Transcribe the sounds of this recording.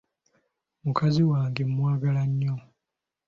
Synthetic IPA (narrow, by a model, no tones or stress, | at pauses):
mukʰaziwaːŋɡe̞mwaːɡalaɲːo